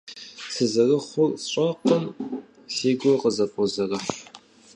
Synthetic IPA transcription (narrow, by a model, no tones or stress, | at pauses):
sɨzɐrɐχʷʊrɕʼɐqən | seːɡʷɔqəzɐpʰʼɔzɐrɐħ